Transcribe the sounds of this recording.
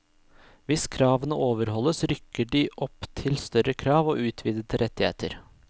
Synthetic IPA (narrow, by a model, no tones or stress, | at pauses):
ʋɪskʰɾɑːʋənəoːʋəɾhɔlːəsɾʏkːəɖiʔɔpt̪ʰɪlst̪œɾəkʰɾɑːʋo̰ːʔʉːt̪ʰʋiːd̪ət̪ʰəɾʔɛt̪ːɪhḛːt̪ʰəɾ